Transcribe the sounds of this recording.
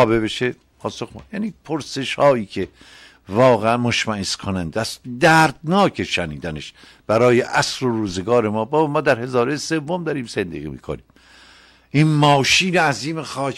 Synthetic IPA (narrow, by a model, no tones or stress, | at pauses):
bebeʃe | pʰɒːsoxjæniːpʰoɾse̞ʃhɒːiːcʰe | vɒːɣeænmoʃmæeskʰonænd̪æsd̪æːɾd̪nɒːcʰe̞ʃæniːd̪æneʃ | b̥æɾɒːjeʔæsɾoɾuːzeɡɒːɾemɒːbɒːbmɒːd̪æɾhe̞zɒːɾesevːomd̪ɒːɾiːmsend̪ḭɣḭːmḭːkʰo̰niːm | ʔiːnmɒːʃiːneæziːmexɒː